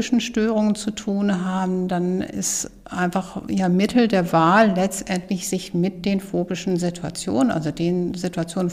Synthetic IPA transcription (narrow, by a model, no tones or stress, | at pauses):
ɪʃn̩ʃtøːʁ̞ʊŋənt͡sutʰuːnɦaːbm̩danɪ̰s | ʔaɪnfaχjaːmɪtl̩deːɐvaːlːɛt͡stʔɛntlɪçz̥ɪçmɪt̚d̥eːnfoːbɪʃn̩zɪtʰua̰t͡sjo̰ːnənʔa̰lzodeːnzɪtuat͡sjoːnən